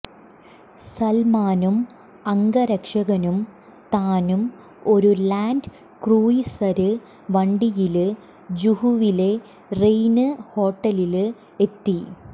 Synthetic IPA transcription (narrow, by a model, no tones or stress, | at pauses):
sɐlmaːnum | ɐŋɡɐɾɐkʂɐɣɐnum | t̪aːnum | o̞ɾulaːnd | kruːjisɐɾɨ | ʋɐɳɖijilɨ | d͡ʑuhuʋile̞ | rejnɨho̞ːʈːɐlil | e̞t̪ːi